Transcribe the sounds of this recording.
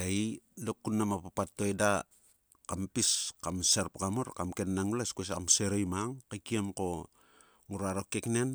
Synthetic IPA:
ejlokːunːamapapatːoeda | kampiskamseɾpkamuɾkamkennaŋulaskes̬amseɾojmaŋkakiemko̞ | ŋuɾaɾokeknen

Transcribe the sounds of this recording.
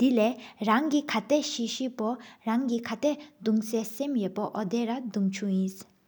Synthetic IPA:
d̪̥ilɛɹaŋkikʰat̪ɛʔɕiɕipɔɹaŋkikʰat̪ɛʔd̪uŋsɛsemjøʔpɔʔɔd̪eɾad̪uŋt͡ɕʰujins

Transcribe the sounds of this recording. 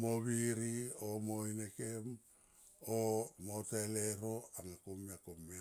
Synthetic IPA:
moβiɾiomoinekem | omoteleɾo̞aŋakomiakomːe

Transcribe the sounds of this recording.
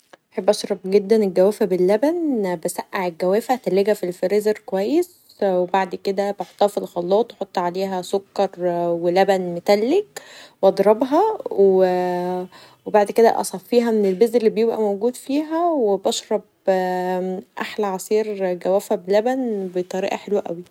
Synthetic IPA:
ʔħebːʔɑʃɾˤɑb̚ɡed̪ːænelɡæwæːfæbelːæbænbæsæʔːaʕelɡæwæːfæt̪ælːeɡæfilfeɾezeɾkowæjːes | webaʕd̪ked̪æbeħot̪ːɑːfilxɑlːɑːt̪ˤwħot̪ˤːʕaleːɦæsokːɑɾˤwelæbænmet̪ælːekwʔɑd̪ˤɾˤɑbɦɑwe | webaʕd̪ked̪æ̰ʔɑ̰sˤɑfːiːɦæmenelbezelːibejebʔæ̰mowɡuːd̪fiːɦæwebɑʃɾˤɑb̚ | ʔaħlæʕɑsˤiːɾɡæwæːfæbelːæbænbet̪ˤɑɾiːʔɑ̰ħelwæʔæ̰wi

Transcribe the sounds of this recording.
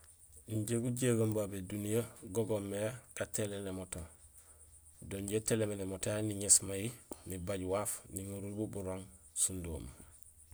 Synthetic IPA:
iɲɟeɡuɟeɡambabedunijaɡoɡomːeɡ̥atelenemoto | doɲɟetelemenemotaniɲesmajinibaɟwaːfniŋuɾulbubuɾoŋsundo̰ːm

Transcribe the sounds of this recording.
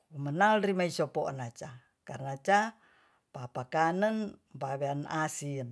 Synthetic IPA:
mənalrimaisɔpoɔnat͡ʃa | karnat͡ʃa | papakanənmbaβeanasin

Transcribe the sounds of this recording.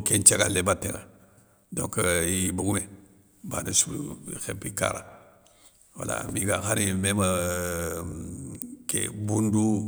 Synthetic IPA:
kent͡ʃeɡalːebatːeŋa | dõŋkjibuɡume | banasuxepːika̰ɾa̰ | wa̰la̰miɡaxaɾimema | kḛbundu

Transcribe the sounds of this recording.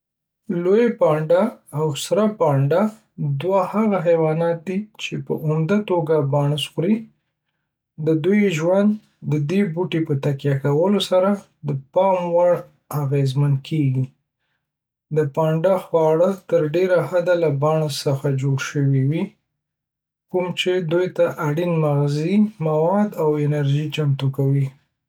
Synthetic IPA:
lojapɑɳɖaːwsɾapɑɳɖa | d̪wahaɣaɦawɑnɑt̪̚d̪it͡ʃepə̰ʔʊmd̪at̪oɡabɑɳəsɣɾi | d̪əd̪ujʒwand̪ː | əd̪ebuʈepət̪akjɑkawəlosaɾa | d̪əpɑmwaɽ | aɣezmankʰeɡi | d̪əpɑɳɖaxwɑɽət̪əɾɖeɾahad̪alabɑɳasəxad͡ʒoɽʃəwiwi | kumt͡ʃed̪ujt̪aʔaɽinmaɣzimawɑd̪awɪnaɾʒit͡ʃamt̪ukawi

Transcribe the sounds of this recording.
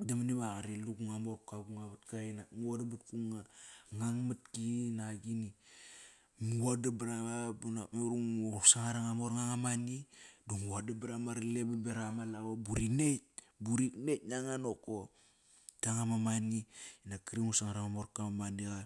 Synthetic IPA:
damanibaɣaɾiluɡuŋamoɾkaɡuŋaβatkainaŋuadabatkuŋaŋaŋmat̚kinaɡini | muadabɾamabunameɾuŋosaŋaɾaŋamoɾŋaŋamaniduŋuadabɾamaɾlebabeɾamalawabuɾinet̚ | buɾiknetnaŋanoko | taŋamamaniinakɾiŋusaŋaɾaŋamoɾkamamaniɣa

